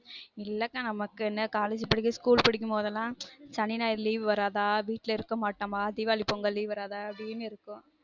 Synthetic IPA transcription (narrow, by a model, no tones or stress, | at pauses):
ɪlːɐkːaːnɐmɐkːɯɛnːɐkaːled͡ʒɪpːɐɽɪk̬ːɯskuːlpɪɽɪk̬ːɯmpoːðɐlːãːt͡ʃɐnːɪnaːjɪɾliːʋʋɐɾaːðaːʋiːʈːlɐɪɾɯkːɐmaːʈːaːmaːɐðɪʋaːlipɔŋɡɐliːʋʋɐɾaːðaːɐbɽijɐmeːɪɾɯkːʊ̃